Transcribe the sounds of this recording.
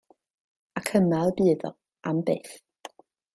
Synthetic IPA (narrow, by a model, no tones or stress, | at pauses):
akʰəmalbɨːðɔ̰ | ambeːθ